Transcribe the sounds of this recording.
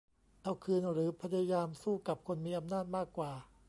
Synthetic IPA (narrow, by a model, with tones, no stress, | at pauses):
ʔa˧wkʰɯː˧nɾɯː˩˦pʰa˧˥ja˧a˧jaː˧msuː˥˩ka˨˩p̚kʰo˧nmiː˧ʔa˧mnaː˥˩t̪̚maː˥˩kːwaː˨˩